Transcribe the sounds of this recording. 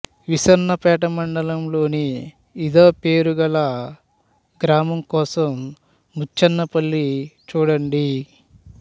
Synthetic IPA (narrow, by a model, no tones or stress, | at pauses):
ʋisɐɾnɐpɛːʈɐmɐɳɖɐlɐmlo̞ːniː | d̪oːpeːɾuɡɐlɐ | ɡɾaːmɐmkɔːsɐmː | ut͡ʃt͡ʃːɐnːɐpɐlːit͡ʃuːɽɐɳɖi